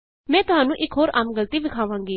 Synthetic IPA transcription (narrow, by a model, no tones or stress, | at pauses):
mɛ̃ːt̪ʊɦaːnũːʔɪkʰɦoːɾaːmɡəlt̪iːbɪkʰaːʋãːŋɡiː